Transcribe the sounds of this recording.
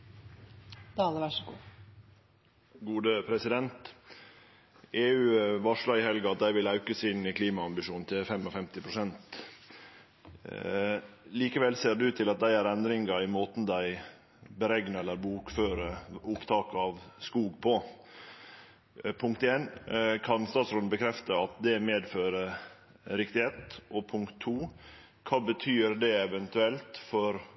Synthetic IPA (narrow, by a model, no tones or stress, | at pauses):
d̪̥ɑːləʋæʂəɡṵː | ɡuːd̪əpʰɾɛsɪd̪ɛnt̪ | ʔeːʉːʋɑʂlɑɪhɛlɡəɑt̪̚d̪æɪʋɪlɑʉkəsɪnːɪkʰliːmɑɑmbɪʃuːnn̩t̪ʰɪfɛmɔfɛmt̪ɪpʰɾʊsɛnt̪ | liːkəʋɛlseːɾd̪ʉt̪ʰɪlɑt̪̚d̪æɪæɾɛnd̪ɾɪŋɡɑɪmoːt̪n̩d̪æɪ | bəɾɛɡnəɛlːəɾbuːkføːɾəʊpt̪ʰɑːkɑʋskuːɡ̚pʰɔ | pʰʊŋkt̪eːnkʰɑnst̪ɑːt̪sɾoːd̪n̩bəkʰɾɛft̪əɑt̪d̪ɛmeːd̪føːɾə | ɾɪkt̪ɪheːt̪ʔɔpʰʊŋkt̪ʰːuː | kʰɑːbət̪ʰyːɾd̪ɛɛʋɛnt̪ʉɛlt̪fɔɾ